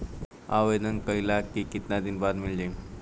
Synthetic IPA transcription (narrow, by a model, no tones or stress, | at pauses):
aʋed̪ənkəilakikit̪nad̪inbaɾmild͡ʒen